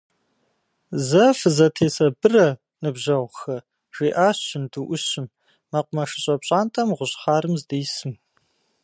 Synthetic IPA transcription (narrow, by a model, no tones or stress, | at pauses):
zɐfɨzɐtʰeːsɐbɨrɐ | nɨbʑɐʁʷxɐ | ʒ̥ʷiːʔaːɕɪnduʔʷʊɕɪmː | ɐqʷʊmɐʂɨ̥ɕʼɐpɕʼaːntʼɐmʁʷʊɕχaːɾɨmzdeːsɨm